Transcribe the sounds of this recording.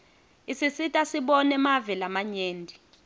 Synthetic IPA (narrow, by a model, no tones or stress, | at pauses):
isisitʼasiɓɔnɛmavɛlamaɲeːndʱi